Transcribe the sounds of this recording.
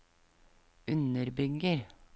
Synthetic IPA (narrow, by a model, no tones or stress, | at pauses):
ʉnəɾbʏɡəɾ